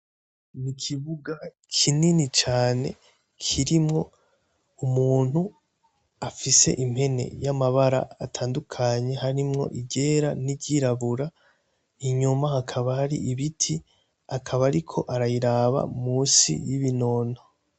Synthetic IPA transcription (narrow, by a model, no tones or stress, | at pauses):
nikʰiβuɡa | kʰininit͡ʃaːne̞̰ | kʰiɾimŋo̞ | umuːn̥hu | afise̞̰ʔim̥he̞ne̞̰jamaβaɾa̰ːtʰaːndukʰaɲe̞ɦaɾimŋo̞̰ʔiɟe̞ːɾaniɟiɾaβuɾa | iɲumahakʰaβahaɾḭʔiβitʰi | akʰaβaɾikʰo̞̰ʔaɾajiɾaβa̰muːsḭjiβino̞ːno